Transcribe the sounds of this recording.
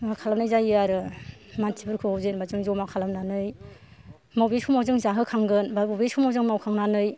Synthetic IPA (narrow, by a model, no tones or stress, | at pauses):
makʰalamnajzajɯaɾɯmantʰibɯɾkʰɯawzenbazɯŋzomakʰalamnanɯj | mawbeskʰumawzɯŋzaɦɯkʰaŋɡɯnbabobeskʰumawzɯŋmawkʰaŋnanɯj